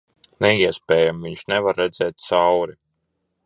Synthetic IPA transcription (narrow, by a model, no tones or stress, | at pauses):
nɛiɛspʲɛːjamviɲʃnɛvaɾːɛd̪zɛːt̪̚t̪sawɾi